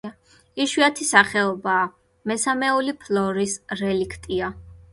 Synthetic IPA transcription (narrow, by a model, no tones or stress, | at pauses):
iʃwiat̪ʰisaχɛɔbaː | mɛsamɛulipʰlɔɾisɾɛlikʰt̪ʼia